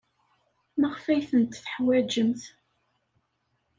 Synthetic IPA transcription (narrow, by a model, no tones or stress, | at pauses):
məʁfæjθənt̪θə̥ħwæd͡ʒəmθ